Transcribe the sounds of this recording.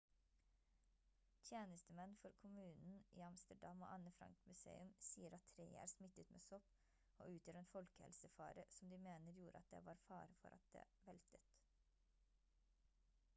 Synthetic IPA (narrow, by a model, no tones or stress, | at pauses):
t̪ʰjeːnəst̪əmɛnfɔɾkʰʊmʉːnn̩ʔḭːɑmst̪əɖɑmo̰ːʔɑnəfɾɑ̰ŋkmʉsḛːʉmsiːəɾɑt̪ʰːɾeɪæ̰ːɾsmɪt̪ət̪mḛːsɔp | o̰ːʉːt̪jøːɾeːnfɔlkə̥hɛ̰lsəfɑ̰ːɾəsɔmd̪iːmeːnəɾjuːɾəɑ̰t̪̚d̪ḛːʋɑːɾfɑːɾəfɔ̰ɾʔɑ̰t̪̚d̪ḛːʋɛlt̪ət̪